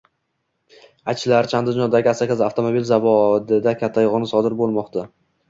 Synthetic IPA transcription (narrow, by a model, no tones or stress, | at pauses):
at͡ʃʰlaɾt͡ʃʰand̪ɪɒnd̪aɡʲɪasakʲazaft̪ʰomobilzavɒd̪ɪd̪akʲʰat̪ʰːajʁnɪsɒd̪ɪɾbolˠmɒqt̪ʰa